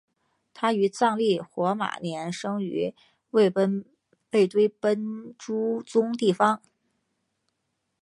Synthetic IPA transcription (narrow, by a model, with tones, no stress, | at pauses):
t̪ʰa˥y˧˥t͡sɑ˥˧ŋli˥˩xwɔ˧˥ma̰˨˩njɛ˧˥nʂɤ˥ŋy̰˧˥ | we˥˩ɪpə˥n | pe˥˩ɪt̪we˥ɪpə˥nʈ͡ʂu˥t͡sʊ˥ŋt̪i˥˩fɑ˥ŋ